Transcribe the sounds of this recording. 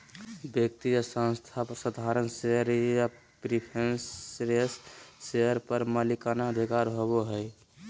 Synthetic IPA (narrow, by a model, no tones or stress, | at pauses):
bjək̚t̪ijəsə̃nst̪ʰapəɾsəd̪ʱaɾənseəɾja | pɾipʰensɾesːeəɾpəɾmalikanaəd̪ʱikaɾɦoβoɦəj